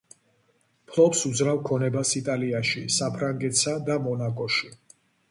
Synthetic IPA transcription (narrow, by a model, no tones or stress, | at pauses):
pʰlˠɔpsud̪zɾavkʰɔnɛbasit̪ʼaliaʃisapʰɾaŋɡɛt̪sad̪amɔnakʼɔʃi